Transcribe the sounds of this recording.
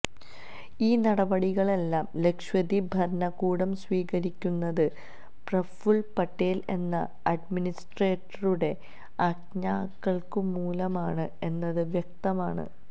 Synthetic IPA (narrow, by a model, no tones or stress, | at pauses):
iːnɐɽɐbɐɽiɣɐɭe̞lːaːmle̞kʂwɐðibʱɐɾɐɳɐkuːɽɐmsʋiːɣɐɾikʲːunːɐðɨ | prɐfuɭpɐʈːeːle̞̰nːɐ̰ | ɐɖminisʈre̞ːʈːɐruɽe̞ | ɐkɲaːkːɐɭkɨmuːlɐmaːɳɨe̞nːɐðɨʋjɐk̚t̪ɐmaːɳɨ̰